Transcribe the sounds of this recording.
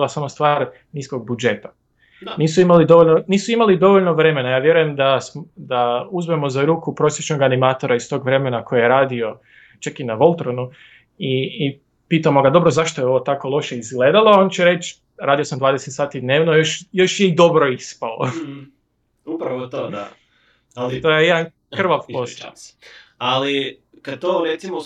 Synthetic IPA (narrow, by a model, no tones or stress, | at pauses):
lasamost̪ʋaːɾ | niːsko̞ɡ̚bud͡ʒe̞t̪ḁ | niːsuimalid̪o̞ʋoʎʲnoniːsuimalid̪o̞ʋoʎnoʋɾe̞me̞najaːʋje̞ɾuje̞md̪asmd̪auzme̞mo̞zaɾuːkupɾo̞sjet͡ʃno̞ɡanimaːt̪o̞ɾaist̪o̞ːɡʋɾe̞me̞nakʰo̞jijeɾaːd̪io̞ | t͡ʃakinaʋo̞lˠt̪ɾonu | iː | piːt̪amo̞ɡad̪o̞bɾo̞zaʃt̪ojeo̞ʋot̪ako̞lˠo̞ʃeizɡle̞d̪aloo̞nt͡ɕɛɾe̞t͡ʃ | ɾaːd̪ijo̞samd̪ʋaːd̪e̞set̪saːt̪id̪ne̞ːʋnojoʃjo̞ʃjeid̪o̞bɾo̞ispalo̰ | upɾat̪a | lt̪ojejed̪an | kr̩ʋaʋpost̪a̰ | ali | kad̪̚t̪oɾet̪simo